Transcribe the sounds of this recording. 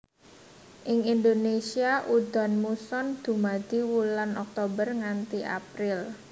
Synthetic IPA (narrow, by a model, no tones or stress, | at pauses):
ʔɪŋind̪onesiaʔud̪̥ɔ̤nmusɔnd̪̥ṳmad̪̥iwulanɔk̚t̪obərŋant̪iʔa̰pɾɪl